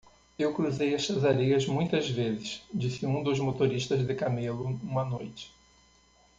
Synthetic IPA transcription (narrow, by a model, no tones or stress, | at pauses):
ewkɾuzejɐʃʃɐzaɾejɐzmũj̃t̪ɐzvezɪʃd͡ʒisɪũd̪ʊzmot̪oɾiʃt̪ɐzd̪ɪkamelʊũmɐnojt͡ʃɪ̥